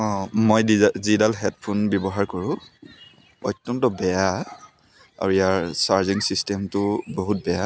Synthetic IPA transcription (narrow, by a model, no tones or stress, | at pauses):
ɔ̃mojizidalɦɛt̚pʰunbjɔbɔɦaɹkɔɹʊ̃ | ɔjtːɔntɔbɛja | a̰ɹuijaɹsaɹziŋsistɛmtʊboɦut̚bɛja